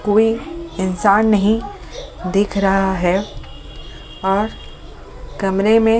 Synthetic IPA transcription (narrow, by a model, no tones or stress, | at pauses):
koːiɪnsaːnːɐɦĩ | d̪ɪkʰɾɐɦaɦɛː | ɔːɾ | kɐmɾemẽ